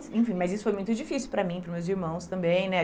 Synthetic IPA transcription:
ẽj̃fĩmɐzisʊ̥fojmũj̃t̪ʊd͡ʒifisiwpɾɐmĩpɾʊzmewziɾmɐ̃w̃st̪ɐ̃mbẽj̃nɛ

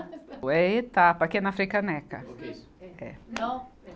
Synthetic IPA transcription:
ɛet̪apɐkeɛnɐfɾejkɐnɛkɐ̰ | ɛ̰

